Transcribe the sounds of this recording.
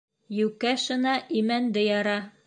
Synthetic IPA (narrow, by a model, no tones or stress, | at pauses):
jʉkæʃɤ̆nɑʔimænd̪ɘjɑɾɑ